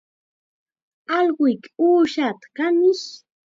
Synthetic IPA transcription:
ɑlɢʊjkuːʃat̪ḁkanɪʃ

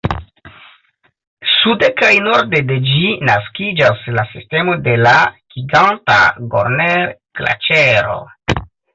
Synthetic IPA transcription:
sude̞kajno̞ɾde̞de̞d͡ʒinaskid͡ʒaslasiste̞mo̞de̞laɡ̥iɡanta̰ɡo̞̰ɾneɾkla̰t͡ʃeɾo̞̰

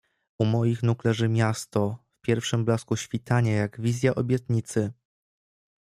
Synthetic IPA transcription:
umɔjixnuklɛʐɘmʲjast̪ɔfpʲjɛɾfʂɘmblaskuɕfʲit̪aɲajaɡvʲizʲjaʔɔbʲjɛt̪ɲit̪sɘ

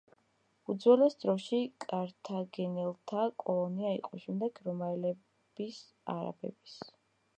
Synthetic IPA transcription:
ud̪zwɛlɛsd̪ɾɔʃikʼaɾt̪ʰaɡɛnɛlˠt̪ʰakʼɔlˠɔniaḭqʼɔʃɛmd̪ɛɡɾɔmaɛlɛ | bis | a̰ɾa̰bɛ̰bis

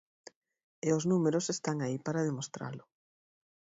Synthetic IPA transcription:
eoznumeɾosest̪aŋaipaɾað̞emost̪ɾa̰lʊ

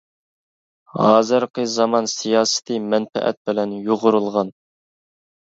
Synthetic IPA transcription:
hɑːzɨɾqʰəzɑmɑnsijɑːsɪ̥t̪ʰɨmɛnfɛ̰ʔɛ̰t̪̚bɪlɛnjoʁʊɾulˠʁɑn

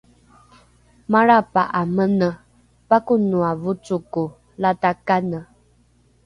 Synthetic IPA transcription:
maɾapaʔamənə | pakunuavut͡suku | latakanə

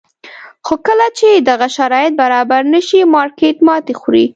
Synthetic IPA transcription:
xokəlat͡ʃed̪aɣaʃaɾɑjɪt̪̚baɾɑbaɾnəʃimɑɾket̪mɑt̪exɾi

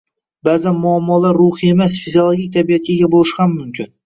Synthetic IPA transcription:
bazanmʊamːɒlaɾːʊhie̞masfiziolˠoɡʲik̚ʲt̪ʰabijat̪̚ɡʲaɡʲabolɪʃhamːʊmkʲʰɪn

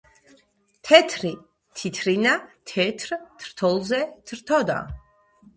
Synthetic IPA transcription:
t̪ʰɛt̪ʰɾi | t̪ʰit̪ʰɾinat̪ʰɛt̪ʰɾt̪ʰɾ̥t̪ʰɔlˠzɛt̪ʰɾt̪ʰɔd̪a̰

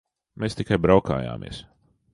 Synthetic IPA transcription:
meːst̪ikajbɾawka̰ːja̰ːmʔḭɛs

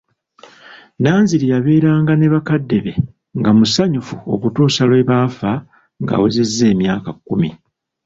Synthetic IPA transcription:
naːnziɾijaβe̞ːɾaːŋɡane̞βakadːe̞βe̞ | ŋɡamusaɲufuo̞̰kutuːsalwe̞βaːfa | ŋɡa̰wuzezːe̞ːmjaːkakːumi

